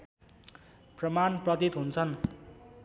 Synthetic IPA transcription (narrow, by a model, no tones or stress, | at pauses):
prʌmanprʌt̪it̪ɦunt͡sʰʌn